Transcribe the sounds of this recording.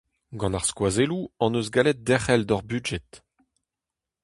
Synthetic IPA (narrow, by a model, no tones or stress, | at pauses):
ɡɑ̃naʁskwazeluɑ̃nøzɡalɛt̪̚d̪ɛχɛld̪ɔʁbyʒɛt̪